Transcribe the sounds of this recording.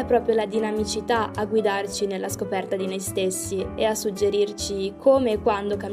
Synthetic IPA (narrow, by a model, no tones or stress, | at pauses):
ɛpːɾɔːpɾjolad̪inamit͡ʃit̪aʔaɡwid̪art͡ʃinelːaskopɛrt̪ad̪inojst̪esːieasːud͡ʒːeɾirt͡ʃikʰoːmeːkːwand̪okam